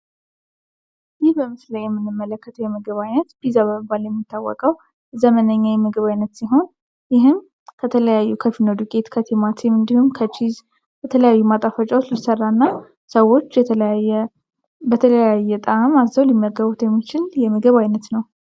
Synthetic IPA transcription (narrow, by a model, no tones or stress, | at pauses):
jɪhbəmɨsləjɛmːɨnːɨmːələkːət̪ʰəwjɛmɨɡɨβajnət̪b̥izaβəbaljɛmːit̪ːawːɔ̰kʼəw | zəmənəɲːawjɛmɨɡɨβajnːət̪siɦo̞n | jɪɦɨm | kʰət̪ʰələjajːukʰəfinəd̪ukʼe̞t̪kʰət̪ʰemat̪ʰimɨnd̪ihumkʰət͡ʃʰiz | bɛt̪ʰələjajːumat̪ʼafət͡ʃʼaot͡ʃlisərːanːa | səwo̞t͡ʃː | bət̪ʰələjajːɛt̪ʼamazːəwlimːəɾɡəβut̪jɛmːit͡ʃɪljɛmɨɡɨβajnət̪nəw